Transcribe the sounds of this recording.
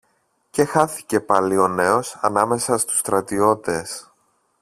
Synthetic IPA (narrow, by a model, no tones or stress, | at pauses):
ce̞xɐθi̥ce̞pɐlio̞ne̞o̞sɐnɐme̞sɐst̪u̥st̪ɾɐt̪io̞t̪e̞s